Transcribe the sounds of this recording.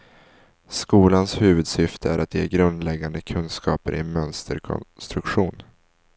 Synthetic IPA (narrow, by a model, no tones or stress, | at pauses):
skuːlanshʉ̟ːvɵd̪sʏft̪ʰəæɾʔat̪jḛːɡɾɵnd̪lɛɡːand̪əkʰɵnd̪skʰɑːpəɾʔɪnmœnst̪ʰəɾkʰɔ̰st̪ɾɵkɧuːn